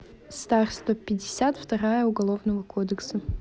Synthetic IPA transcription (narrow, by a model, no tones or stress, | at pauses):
st̪arst̪vəpʲɪdʲɪsʲat̪ft̪ɐɾajəʊɡɐlˠovnəvəkod̪əksə